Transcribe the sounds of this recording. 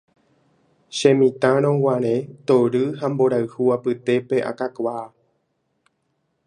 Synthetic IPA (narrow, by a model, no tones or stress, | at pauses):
ʃẽmĩt̪ãɾ̃õwãɾ̃ẽt̪oɾɨɦamboɾaɨhuapɨt̪e̞pe̞ʔa̰kakʷaː